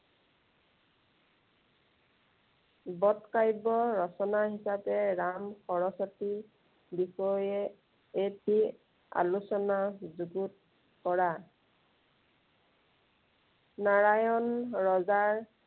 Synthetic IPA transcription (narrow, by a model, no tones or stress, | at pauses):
bɔtkajbɔɹɔsɔnaɦisapɛɹamxɔɹɔsɔti | bixɔjɛ | epi | a̰lusɔnazuɡut̚ | kɔɹa | naɹajɔnɹɔzaɹ